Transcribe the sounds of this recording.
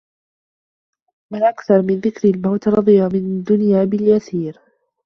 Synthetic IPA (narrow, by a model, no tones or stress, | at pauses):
manʔakθɑɾˤmɪnðɪkɾɪlmawt̪ɾˤɑðˤijamɪnad̪ːʊnjaːbɪljasiːɾ